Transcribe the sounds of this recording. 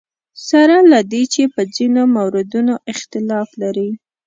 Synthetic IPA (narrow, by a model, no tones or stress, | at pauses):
saɾalad̪et͡ʃepəd͡zinomawɾɪd̪unoʔɪxt̪ɪlɑflaɾi